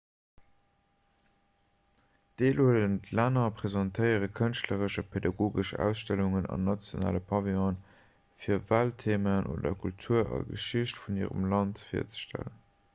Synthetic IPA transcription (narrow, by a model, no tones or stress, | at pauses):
d̥eːluələntlaːnɐpʁ̥ezɑntʰəɪəʁəkʰənʃtləʁəʃəpʰedɑɡoːɡəʃæ̰ːʊsʃtæluŋənɑ̰nːɑt͡sjona̰ːləpʰɑviɔ̃n | fiːɐvaːltʰeːmənʔo̰ːdɐ̰kʰultʰuːɐɑ̰ɡəʃiɕtfuniːʁə̰mlɑntfḭːɐ̰t͡sə̥ʃtʰæ̰lən